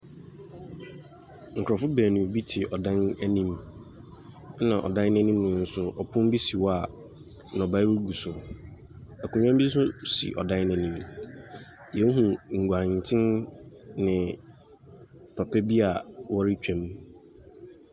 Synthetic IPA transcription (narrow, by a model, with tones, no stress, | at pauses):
ŋ̩˨kʰɾɔ˨fʊ˦bæː˨nĩ˨bi˦tʰɪ˨ʔɔ˨dã˦nɛ˦nĩ˦m˦ | nã̰˨ʔɔ̰˨dã˦n˦nɛ̃˦nĩ˦mnʊ̃˨n̩˦sʊ˦ʔɔ˨pʰʊ̃˦m˦bi˦si˨wa˨ | nɔ̃˨ba˦ɾu˦ɡu˨sʊ˨ | æ˨kʰũ˨ɲᶣã˦m˦bi˦sʊ˦sḭ˨ʔɔ̰˨dã˦nnɛ˨nĩ˦m | jɛ˨˦ɦũ˨ŋ̩˨ɡʷã˨ɲ˨tʰɪ̃˦n | nɪ̃˨ | pʰa˨pʰɛ˦bi˦a˨wɔ˦ɾɪ˦t͡ɕᶣɛ̃˦m